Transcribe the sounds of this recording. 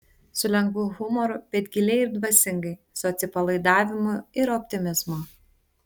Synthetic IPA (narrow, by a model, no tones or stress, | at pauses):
sʊlʲɛŋɡʋuːɣʊmɔɾʊpʲɛd̪ʲɡʲɪlʲɛɪɪɾd̪ʋɐsʲɪŋɡɐɪ | sɔt̪sʲɪpɐlˠɐɪd̪ɑːʋʲɪmʊɪɾɔpʲt̪ʲɪmʲɪzmo